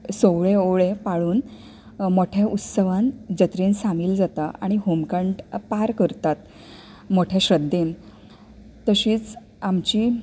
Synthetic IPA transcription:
soʋɭeoɭẽpaɭuːn | moʈʰjaʔut̪səʋãnd͡ʑət̪ɾensamiːld͡zat̪aʔa̰ɽ̃iɦomkəɳʈpaɾkəɾt̪at̪ | moʈʰjaɕɾəd̪ʱen | t̪ːəɕiːt͡s | amt͡ɕiː

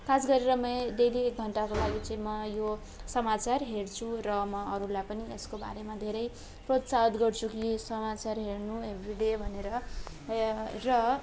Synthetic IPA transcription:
kʰasɡʌɾeɾʌmʌd̪eliek̚ɡʱʌɳʈakolaɡit͡sʌĩmʌjo | sʌmat͡sarɦeɽt͡sʰurʌmʌʌɾulajpʌnieskoba̰ɾemad̪ʱeɾʌj | prot̪sat̪ɡʌrt͡sʰukisʌmat͡sarɦernuɦebriɽebʱʌneɾʌ | rʌ

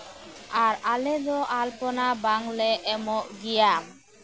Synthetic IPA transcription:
aɾaled̪ɔʔalpɔnabaŋleʔːmɔʔɡija

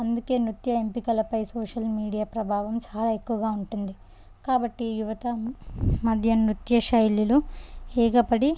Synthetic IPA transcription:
ɐnd̪uke̞ːnɾut̪jɐempikɐlɐpɐjsoːʂɐlmiːɽijaːpɾɐbʱaːʋɐmt͡ʃaːlaːe̞kːuʋɐɡaːuɳʈund̪i | kaːbɐʈːijuʋɐt̪ɐ | mɐd̪ʱjɐnɾut̪jɐʃɐjliluɛːɡɐpɐɽi

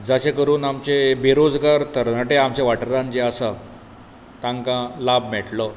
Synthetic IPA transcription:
d͡zaɕekəɾuːnamt͡ɕebʱiɾod͡zɡaɾt̪əɾnəʈeamt͡ɕeʋaʈəɾãnd͡ʑeasa | t̪ãŋkãlabmɛʈlɔ

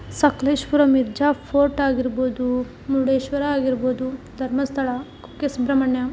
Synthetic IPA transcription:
sɐkleːʃpuɾɐmiɾd͡ʒaːpʰoːɾʈaːɡiɾboːd̪u | muɽeːʃʋɐɾɐaːɡiɾboːd̪ud̪ʱɐɾmɐst̪ʰɐɭɐ | ukesbɾɐmɐɳjɐ

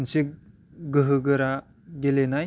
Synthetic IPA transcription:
nsik̚ | ɡɯɦɯɡɯɾa | ɡelenaj

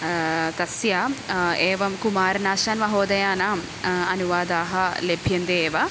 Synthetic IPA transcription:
t̪ɐsjaeːʋɐmkumaːɾnaːʃaːnʋɐɦoːd̪ɐjaːnaːm | ɐnuʋaːd̪aːɦɐlebʱjɐnd̪eeːʋɐ

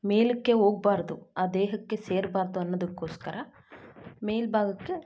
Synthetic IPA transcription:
me̞ːlikːe̞o̞ːɡ̚baːɾd̪uaːd̪eːɦɐkːe̞seːɾbaːɾd̪uɐnːɐd̪ɐkːo̞ːskɐɾɐ | meːlbʱaːɡɐkːe̞

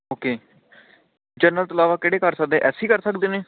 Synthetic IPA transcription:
oːkeː | d͡ʒəɾnəlt̪oəlaːʋaːkɪːɽeːkəɾsək̚d̪ẽːʔɛːsiːkəɾsəkd̪eːneː

